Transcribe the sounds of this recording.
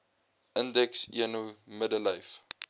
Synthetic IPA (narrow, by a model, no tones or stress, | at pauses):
ʔəndɛksḭənumədələjf